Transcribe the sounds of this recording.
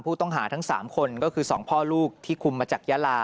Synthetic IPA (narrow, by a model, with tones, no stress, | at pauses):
mpʰuː˥˩t̪ɔ˥˩ŋɦaː˩˦t̪ʰa˦˥ŋsaː˩˦mkʰo˧nkɔː˥˩kʰɯː˧sɔ̰ː˩˦ŋpʰɔː˥˩luː˥˩k̚t̪ʰiː˥˩kʰu˧mːaː˧t͡ɕaː˨˩k̚jaː˦˥laː˧